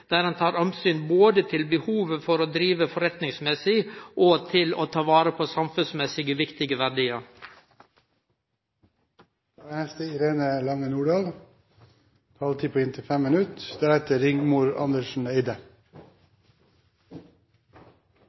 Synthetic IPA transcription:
d̪̥æːɾhɑnt̪ʰɑːɾɔmsyːnboːd̪ət̪ʰɪlbəhuːʋəfɔɾoːd̪ɾiːʋəfɔɾɛt̪nɪŋsmɛsɪʔoːt̪ʰɪlo̰ːt̪ʰɑːʋɑːɾəpʰoːsɑmfʉnsmɛsɪɡəʋɪkt̪ɪɡəʋæɖiːəɾ | d̪̥ɑːæhɛst̪əɪɾeːnəlɑŋənuːɖɑːl | t̪ʰɑːlt̪ʰiːpʰoːɪnt̪ʰəfɛmmɪnʉt̪d̪̥ɛɾɛt̪əɾɪŋmuːɾɑ̰nd̪əʃn̩eɪd̪ə

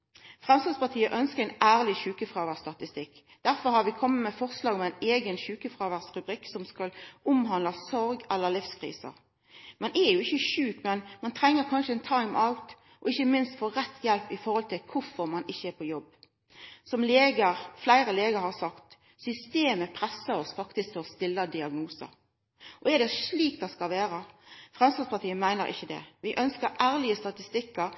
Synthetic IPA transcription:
fʁɛmslɑspɑʁt̪ʰiːəʔœnskəʁæɪnæːʁlɪçʉːkəfʁɑːʋæʁst̪ɑt̪ɪst̪ɪkː | d̪̥æɾfɔɾhɑʁʋɪkʰɔmːəmɛfɔʁslɑːɡmæɪneːɡənʃʉːkəfʁɑːʋæʁsɾʉbʁɪksɔmskɑlʊmhɑnlɑsɔɾɡɛlːəʁlɪfskʰʁḭːsə̰ʁ | mɑnʔɛjʊɪçəʃʉːkmɛnmɑnt̪ʰʁɛŋːəɾkʰɑnʃəɛnt̪ʰɑɪmʔɑlt̪ | ʔɔɪçːəmɪnst̪foːɾɛt̪ʰːjɛlpɪfɔɾhɔlt̪ʰɪlkʰʊɾfɔɾmɑnɪçːəɛɾpʰɔjɔbː | sɔmleːɡəɾflæɪɾəleːɡəɾhɑsɑkt̪ | sʏst̪eːməpʰɾɛsːəɾɔsfɑkt̪ɪsk̚t̪lɔst̪ɪlːəd̪ɪɑɡnuːsə̰ɾ | ʔɔɛd̪ɛʂliːk̚d̪ɛskɑlʋeːɾəfʁɛmst̪ɑspɑɾt̪ʰiːənmæɪnəɾʔɪ̰çːəd̪ɛ̰ʋɪʔœnskəɾʔæːɾlɪəst̪ɑt̪ɪst̪ɪkːəɾ

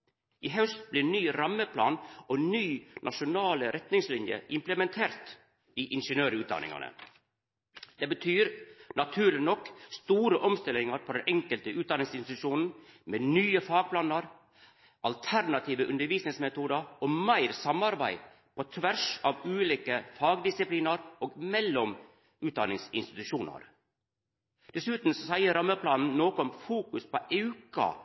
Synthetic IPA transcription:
ʔiːɦɑʉst̪blɪnyːɾɑmːəpʰlɑ̰ːnonyːnʔɑʂʊnɑːləɾɛt̪nɪŋslɪnjə̰ʔɪmpləmɛnt̪ʰeːɾt̪ | iːʔɪnʂənøːɾʉːt̪̚d̪ɑ̰nɪ̰ŋɑ̰nə̰ | d̪eːbət̪ʰyːɾnɑt̪ʰʉːɾlɪnɔkst̪uːɾəʔɔmst̪ɪlɪŋɑɾpʰɔd̪ɛnʔɛŋkəlt̪əʉːt̪̚d̪ɑnɪŋsɪnst̪ɪt̪ʉʃuːnn̩meːnyːəfɑːɡ̚pʰlɑːnɑɾ | ʔɑlt̪ʰæɾnɑt̪ʰiːʋəʔʉnd̪əɾʋiːsnɪŋsmɛt̪uːd̪ɑɔmæɪɾsɑmɑɾbæ̰ɪ | pʰɔt̪ʰʋæʂɑːʋʉːliːkəfɑːɡd̪ɪsɪpliːnɑɾoːɡmɛlːɔm | ʉːt̪̚d̪ɑ̰nɪŋsɪ̰nst̪ɪ̥t̪ʉʃuːnə̰ɾ | d̪̥ɛsʉːt̪n̩sɔsæɪəɾɑmːəpʰlɑːnn̩noːkɔmfuːkʉspʰɔʔeʉkɑ̰

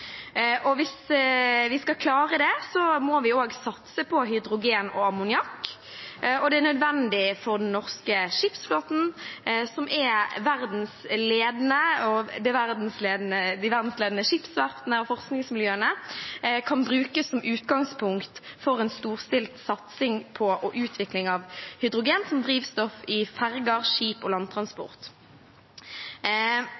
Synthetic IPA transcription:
ʔɔʋɪsʋɪskɑkʰlɑːʁəd̪ɛsɔmɔʋɪoːɡsɑt̪səpʰɔɦʏd̪ʁʊɡeːnɔ̰ɑmʊnɪɑkː | ɔd̪ɛæʁnœd̪ʋɛnd̪ɪfɔʁd̪ɛnːɔʁskəʂɪpsfloːt̪n̩sɔmʔɛʋæʁd̪n̩sleːd̪nəɔd̪ɛʋæʁd̪n̩sleːd̪nəd̪ɪʋæʁd̪n̩sleːd̪nəʂɪpsʋæʁt̪nəɔfɔʁsknɪŋsmɪljøːənə | kʰɑnbɾʉːkəsɔmʔʉːt̪ɡɑŋspʰʊŋkt̪fɔʁɛnst̪uːʁst̪ɪlt̪sɑt̪sɪŋpʰɔʔɔʔʉːt̪ʰʋɪklɪŋɑʋhʏd̪ʁʊɡeːnsɔmd̪ʁiːʋst̪ɔfɪfæʁɡəʁʂiːpɔlɑnt̪ʰʁɑnspɔ̰ʁt̪

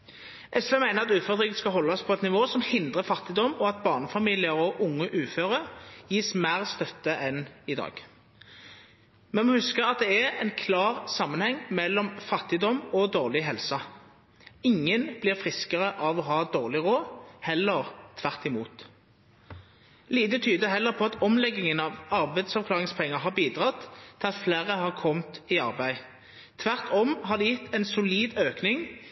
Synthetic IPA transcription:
ʔɛsʋeːmæɪnəʁɑt̪ʉːføːʁd̪ʁiːɡəskɑɦɔlːɑspʰɔɛt̪nɪʋoːsɔmhɪnd̪ʁəfɑt̪ːɪd̪ɔmɔɑt̪̚bɑːʁnəfɑmiːlɪəʁɔʔʊŋːəʔʉːføːʁəʁjiːsmæːʁst̪œt̪ːəʔɛnɪd̪ɑ̰ːɡ̥ | mɛnmɔhʉskəʁɑt̪̚d̪ɛæʁɛnkʰlɑːʁsɑmːənhɛŋmɛlːɔmfɑt̪ːɪd̪ɔmɔd̪oːʁlɪɦɛlsɑ | ɪŋːənb̥lɪːʁfʁɪskəʁəʔɑʋɔɦɑːd̪oːʁlɪʁoːhɛlːəʁt̪ʰʋæʁt̪ɪmuːt̪ | liːt̪ət̪ʰyːd̪əɦɛlːəʁpʰɔɑt̪ɔmlɛɡːɪŋənɑʋɑʁbæɪd̪sɑʋkʰlɑːʁɪŋspʰɛŋːəɦɑʁbiːd̪ʁɑt̪ʰːɪlɑt̪fleːʁəhɑʁkʰɔmt̪ɪɑʁbæɪ | t̪ʰʋæʁt̪ʰɔmhɑd̪ɛjɪt̪ʰːɛɪnsʊliːd̪øːknɪŋ

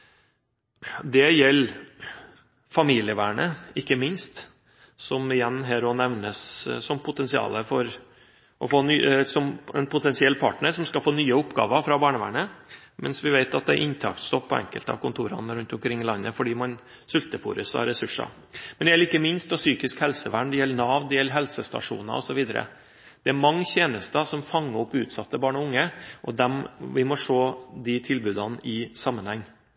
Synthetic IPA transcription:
d̪ɛjɛlː | fɑmiːlɪəʋæ̰ːɳəɪkːəmɪnst̪ | sɔmɪjɛnːɦæːɾɔnɛʋnəssɔmpʰʊt̪ɛnsɪɑ̰ːləfɔɾ | ʔɔfoːnysɔmɛnpʰʊt̪ɛnsɪɛlːpʰɑːʈɳəʂɔmskɑlfoːnyːəʊpːɡɑ̰ːʋəɾfɾɑbɑːɳəʋæ̰ːɳə | mɛnsʋɪʋæɪt̪ɑt̪̚d̪ɛʔɪnt̪ʰɑ̰ːkt̪st̪ɔpʰːɔɛ̰ŋkəlt̪ɑ̰ʋkʊnt̪ʰuːɾɑ̰nəɾʉnt̪ʊmkʰɾɪŋːɪlɑnːəfɔɖiːmɑn | sʉlt̪əfṵːɾʉsɑ̰ɾɛsʉʂɑ̰ | mɛnɛjɛlːəɾɪkːəmɪnst̪ɔsyːkɪskhɛlsəʋæɳɖ̪ɛjɛlːəɳɑːʋd̪ɛjɛlːəɦɛlsəst̪ɑ̰ʂṵːnɑ̰ɔsɔʋiːd̪əɾʔə̰ | d̪̥ɛæɾmɑŋːçeːnəst̪əsɔmfɑŋːəɔpːʉːt̪sɑt̪ːəbɑːɳɔʊŋːəʔɔd̪ɛmʋɪmɔʂoːd̪ɪt̪ʰɪlbʉːd̪ɑnʔɪsɑmːənhɛŋː

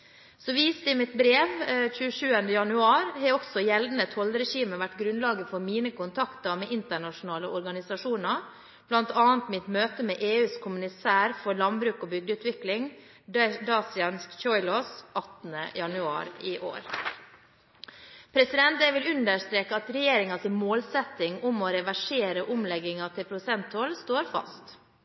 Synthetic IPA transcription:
sɔʋiːst̪əɪmɪt̪bɾeːʋc͡çʉːəʂʉːənd̪əjɑnʉɑːɾhɛɔksɔjɛld̪n̩ət̪ʰɔlɾɛʃiːməʋæʈːɡɾʉnlɑːɡəfɔɾmiːnəkʰʊnt̪ʰɑkt̪əɾmeːʔɪnt̪əɳɑʃʊnɑːləʔɔɾɡɑnɪsɑʂuːnəɾ | b̥lɑnt̪ɑːnt̪mɪt̪møːt̪əmeːʔeːʉːskʰʊmənɪsæːɾfɔɾlɑnbɾʉːkoːbʏɡ̚d̪əʉːt̪ʋɪklɪŋ | d̪ɑːsɪɑnskçɔʏlɔsʔɑt̪n̩ə̰jɑnʉɑ̰ːɾiːʔo̰ːɾ | pʰɾɛsɪd̪ɛnt̪ɛʋɪlʉnd̪əʂt̪ɾeːkəɑt̪ɾɛjeːɾɪŋɑsɪnmoːlsɛt̪ɪŋʊmɔɾɛʋæʂeːɾəʔʊmlɛɡːɪŋɑt̪ʰɪlpʰɾʊsɛnt̪ʰɔlst̪oːɾfɑ̰st̪

